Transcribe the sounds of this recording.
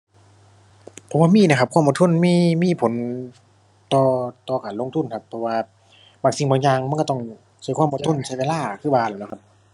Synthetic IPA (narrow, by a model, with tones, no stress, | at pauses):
pʰɔ˨˦mwaː˧miː˧˥˨na˧kʰa˧p̚kʰa˧˥˨mʔt̪ʰo˧˥˨nmiː˧˨miː˧˥˨pʰo˨˦n | t̪ɔː˧˩t̪ɔː˧kaː˨nlo˧˨ŋt̪ʰu˧˥˨nkʰa˧pʰːɔ˧waː˧ | baː˧˩ŋsi˧ŋbɔː˧ŋɲaː˧ŋm˧˥˨kɔ˧˩t̪ɔ˧˩ŋ | sa˧˩kʰwʔɔ˧˨t̪ʰo˧˥˨nsa˧˩aː˧laː˧˩kʰɯː˧˩baː˧˩nlaː˨˩nla˧kʰa˧p̚